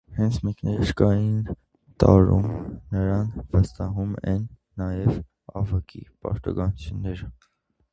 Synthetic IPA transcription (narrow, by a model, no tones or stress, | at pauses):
hɛnt͡sʰmɛknɛɾəʃkɑjin | t̪ɑɾṵmnəɾɑnʰvəst̪ɑɦumɛ̰nː | ɑjɛv | ɑvɑkʰḭpɑ̰ɾt̪ɑɡɑnut͡sʰjunːɛɾə